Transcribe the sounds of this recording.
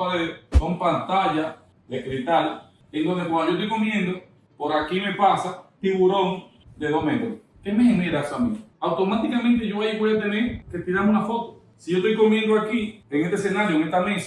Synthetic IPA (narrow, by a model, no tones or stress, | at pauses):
aðesompant̪aʝa | ðekɾit̪al | end̪oðd̪ekwand̪ojost̪ojkomjend̪o | poɾakime̞pasat̪iβuɾoŋ | d̪eðoɦmet̪ɾoo | kemeheneɾasamḭ̃awt̪o̞mat̪ikamẽnt̪eʝoβaipwejat̪eneɾket̪iɾamunafot̪o̥ | siʝo̞st̪ojko̞mjend̪oakieŋet̪esenaɾjoeŋest̪ames